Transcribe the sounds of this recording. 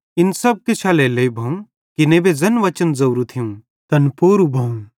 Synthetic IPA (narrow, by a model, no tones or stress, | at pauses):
ɪnsɐb̚ket͡ʃʰaːleleibʱɐ̃ũ | kɪnẽːbed͡zɐnʋɐt͡ʃənzɐwɾut̪ʰijũː | t̪ɐnpoːɾubʱɐũ